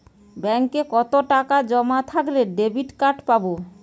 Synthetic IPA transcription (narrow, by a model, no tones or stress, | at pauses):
bɛŋkekɔt̪oʈakad͡ʑɔmat̪ʰakleɖebiʈkaʈpabo